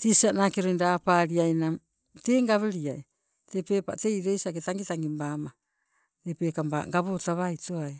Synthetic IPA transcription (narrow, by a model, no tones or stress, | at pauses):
tisianakeɾoindapaɾiajnam | te̞ːŋɡaβeɾiaj | tepe̞ːpaʔte̞iɾejsiaɡetaŋɡitaŋɡimbama | tepeːkamba̰ŋɡaβotaβajtoaj